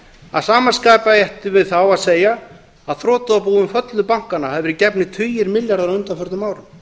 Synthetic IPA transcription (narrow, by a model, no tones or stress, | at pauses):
a̰ðsaːmanskaːjpajɛht̪ʏvɪðθawaðseːja | aðθɾɔːt̪ʏapuːðʏmfœt̪lʏpawŋ̥kanːahɛvɪɾicɛpnɪt̪ʰʏːjɪɾmɪljaɾðaɾʏnt̪afœɾt̪maːwɾʏm